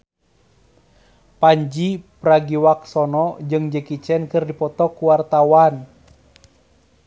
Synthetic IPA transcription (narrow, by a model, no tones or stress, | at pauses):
paɲd͡ʒipɾaɡiwak̚sɔnɔd͡ʒɨŋd͡ʒəkit͡ʃɛnkɨrdipɔt̪ɔkuwart̪awan